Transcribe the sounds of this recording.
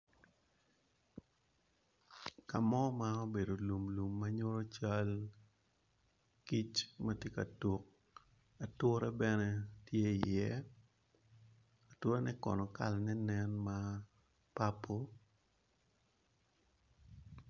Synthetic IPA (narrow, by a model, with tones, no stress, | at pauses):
ka˨mɔ˦ma˦o˦be˨do˨lu˨mlu˨mːa˦ɲo˦ɾo˦t͡ʃa˦l | ki˦t͡ʃmatje˦ka̰˨to˨k̚ | a˨tʊ˦ɾɛ˦bɛnɛ˦tje˦i˨jɛ˦ | a˨to˦ɾa˦nɛ˦kɔ̰˨nɔ˨ka̰˨lnɛ˦nɛ˦nma˦ | pa˦pʰo˦